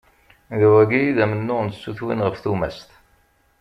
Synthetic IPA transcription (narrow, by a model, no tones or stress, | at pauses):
ðwæɡiðæmənːʊʁnsːuθwinʁəfθumæ̰st̪